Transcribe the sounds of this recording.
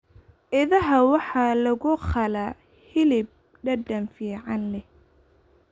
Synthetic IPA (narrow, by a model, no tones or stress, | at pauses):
ʔɪðɐɦɐwɑħɑlɐɣʊχɐla | hɪlɪb̚ | ɖɐdɐnfiːʕɑnlɛh